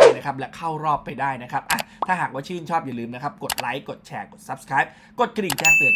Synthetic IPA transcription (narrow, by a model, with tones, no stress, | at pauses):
na˦˥kʰa˦˥p̚lɛ˦˥kʰa˥˩wɾɔː˥˩pːa˧jdaː˥˩jna˦˥kʰa˦˥p̚ʔa˧˩t̪ʰaː˥˩ɦaː˨˩kwaː˥˩t͡ɕʰɯː˥˩nt͡ɕʰɔː˥˩p̚jaː˨˩lɯː˧mna˦˥kʰa˦˥p̚ko˨˩t̪̚la˦˥jko˨˩t̪̚t͡ɕʰɛː˧˩ko˨˩t̪̚sa˦˥p̚skʰɾaː˦˥jp̚ | ko˨˩t̪̚kɾi˨˩ŋt͡ɕɛː˥˩p̪ɯ˨˩n